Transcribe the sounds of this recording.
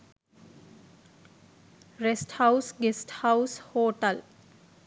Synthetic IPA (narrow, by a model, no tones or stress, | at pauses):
ɾesʈhaʊsɡesʈhaʊshoːʈəl